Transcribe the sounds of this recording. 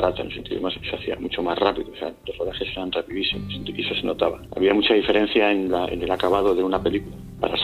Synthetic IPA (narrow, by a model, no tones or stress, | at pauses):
ɾat̪anelsent̪iðmasseaθia̰mut͡ʃo̞mazrapiðosealoroðaxe̞se̞ɾanrapiðisimosent̪iesoseno̞t̪aβaa̰βiamut͡ʃaðife̞ɾẽ̞n̟θjaenlaḛne̞lakaβ̞að̞o̞ðe̞unape̞likula | pa̰ɾa̰s